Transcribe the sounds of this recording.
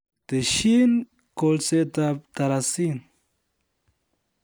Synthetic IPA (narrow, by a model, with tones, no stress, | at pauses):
t̪e˨ʃi˦n | ko˧lse˦t̪at̪a˨ɾa˨si˦n